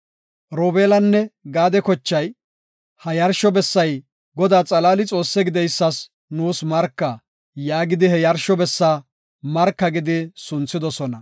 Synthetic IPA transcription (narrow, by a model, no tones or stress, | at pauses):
ɾoːbeːlɐnːɛɡaːd̪ɛkɔt͡ʃːɐj | hɐjɐɾʃɔbɛsːɐj | ɡɔd̪aːt͡sʼɐlaːlɪt͡sʼo̞ːsːɛɡɪd̪ɛjsːɐs | nuːsmɐɾkːɐ | jaːɡɪd̪ɪhɛjɐɾʃɔbɛsːaː | mɐɾkːɐɡɪd̪ɪsʊnt͡sːɪd̪ɔsɔnɐ